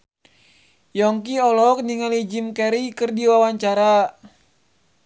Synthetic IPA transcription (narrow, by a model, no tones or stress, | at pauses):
jɔŋkiɔlɔk̚niŋalid͡ʒimkɛɾikɨrdiwawaɲt͡ʃaɾa